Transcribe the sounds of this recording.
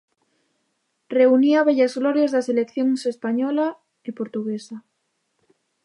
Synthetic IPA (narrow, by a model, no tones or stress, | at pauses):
reuniaβ̞eʎazɣloɾjezðaselekθjoŋsespaɲola | epoɾt̪uɣ̞esa